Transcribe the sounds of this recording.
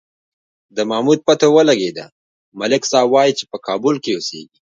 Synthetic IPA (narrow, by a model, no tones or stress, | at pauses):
d̪əmamud̪̚pat̪owəlaɡed̪a̰ | malɪksɑbwɑjit͡ʃepəkɑbʊlkeusḛɡi̥